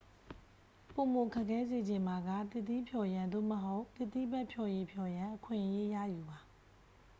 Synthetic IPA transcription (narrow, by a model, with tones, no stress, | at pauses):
po˨mo˨kʰa˦˨kʰːɛ˦ze˨d͡ʑɪ̃˨ma˨ɡä̰˦˨t̪ɪ˦˨t̪ːḭ˦pʰjɔ˨jã˨nd̪o̰˦˨məɦo˦ʊʔt̪ɪ˦˨t̪ḭ˦˨bɛ˦ʔpʰjɔ˨je˨pʰjɔ˨jã˨ʔəkʰwɪ̃˨ʔəje˦jä̰˦˨ju˨ba˨